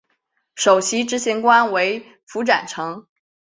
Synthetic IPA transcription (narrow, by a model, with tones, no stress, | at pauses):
ʂo˨˩ʊɕi˧˥ʈ͡ʂɻ̩˧˥ɕi˧˥ŋkwa˥nwe˧˥ɪ | fu˧˥ʈ͡ʂa̰˨˩nʈ͡ʂʰɤ˧˥ŋ